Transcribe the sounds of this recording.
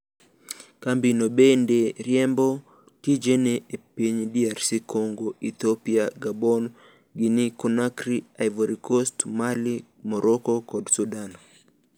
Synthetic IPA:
kambinobendeɾjɛmbɔ | tid͡ʒeneepiɲdiarsikʰoŋɡoit̪opiaɡabɔn | ɡinikɔnakɾiajvoɾikɔstmali | mɔɾɔkɔkɔdsudan

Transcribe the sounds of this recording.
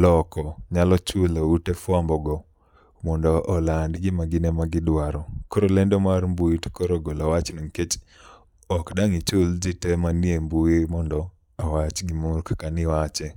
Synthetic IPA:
lɔkɔɲalɔt͡ʃulautefwambɔɡɔ | mɔndɔʔːlandɡɪmaɡɪnɛmaɡɪdwaɾɔkoɾolɛndɔmarmbuitkoɾoɡolawat͡ʃnoŋket͡ʃ | ɔkdaŋit͡ʃʊld͡ʒɪtɛmaniembuimɔndɔ | awat͡ʃɡɪmurkakanɪwat͡ʃɛ

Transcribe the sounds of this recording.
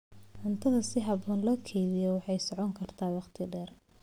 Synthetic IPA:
ʕʊnt̪ʰɐðɐsɪɦɐbɔːnlɔːkʰɛjβɪjɔwɑħɑjsɔʕɔŋkʰɐrt̪ʰaːwɑqt̪ʰɪɖɛːr

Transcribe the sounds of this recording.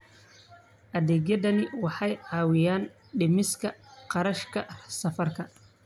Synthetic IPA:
ʔɐðɛːɡjɐðɐnɪwɑħɑjʕɑːwɪjaːn | ɖɪmɪskʰɐqɑɾɐʃkʰɐsɐfɐrkʰɐ

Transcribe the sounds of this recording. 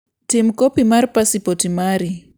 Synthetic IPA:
tim̩kopimaɾipasipotimaːɾi

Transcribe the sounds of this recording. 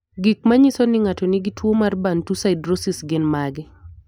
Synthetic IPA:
ɡɪk̚maɲisonɪŋatonɪɡɪtwomarbantusaɪdɾosɪsɡɪnmaɡɪ

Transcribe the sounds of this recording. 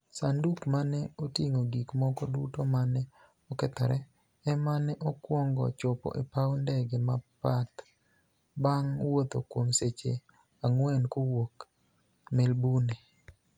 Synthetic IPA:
sandukmanɛotiŋoɡikmɔkɔdutomanɛ | ɔkɛt̪aɾɛ | ɛmanɛʔɔkwɔŋɡɔ̰t͡ʃɔpɔ̰ʔepawndɛɡemapat̪ | baŋwot̪o̰kwomset͡ʃḛ | aŋwɛnkowok | melbune

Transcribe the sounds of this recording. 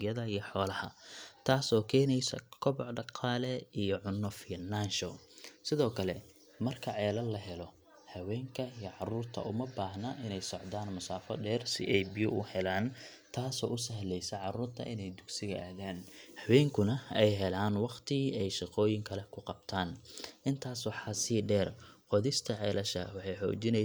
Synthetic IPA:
jɐðɐijɔħɔːlɐhɐt̪ʰaːsɔːkʰɛːnɛjsɐ̰kʰɔβɔʕɖɑqɑːlɛijɔʕʊnːɔfinanʃɔ | sɪðɔːkʰɐlɛ | mɐrkʰɐʕɛːlɐlːɐɦɛlɔ | hɐwɛːŋkʰɐijʕɑruːrt̪ʰɐ̰ʔʊmɐbaːhnɐʔɪnɛjsɔʕðaːnmʊsaːfɔ̰ɖɛːrsɪ̰ʔɛjbijʊʔʊhɛlaːn | t̪ʰaːsɔːʊsɐɦlɛjsɛʕɑɾuːrt̪ʰɐ̰ʔɪ̰nɛjd̪ʊɡsɪɣɐʔaːɣaːnhɐwɛːŋkʰʊnɐɛjɦɛlaːnwɑqt̪ʰɪɛjʃɪqɔːjɪŋkʰɐlɛkʰʊqɑb̚t̪ʰaːnʔɪnt̪ʰaːswɑħɑːsiɖɛːrqɔðɪst̪ʰɐʕɛːlɐʃɐwɑħɑjħɔ̰ːt͡ʃɪnɛ

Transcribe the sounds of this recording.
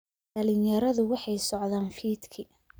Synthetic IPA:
ɖɐlɪnjɐɾɐðʊwɑħɑjsɔʕðaːnfiːd̪kʰɪ

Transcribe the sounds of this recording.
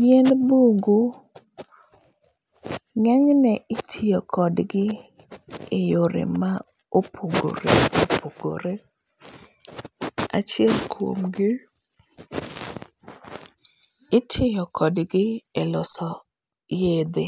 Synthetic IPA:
jɛnboŋɡu | ŋɛɲnɛɪtʰɪjɔkʰɔdɡɪ | ejoɾḛma | opʰoɡo̰ɾḛopʰoɡo̰ɾe | a̰t͡ʃɪɛlkʰwo̰mɡɪ | ɪtʰɪjɔkʰɔdɡɪelʊsɔ | jed̪e

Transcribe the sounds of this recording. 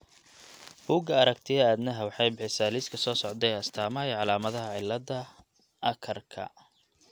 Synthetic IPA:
buːɡɐɐɾɐkt̪ʰɪɐaːd̪nɐɦɐwɑħɑjbɪħɪsaːliskʰɐsɔːsɔʕd̪ɛɐst̪ʰaːmɐɛʕɑlaːmɐðɐɦɐʕɪlːɐðɐ | ʔɐkʰɐrkʰɐ̰

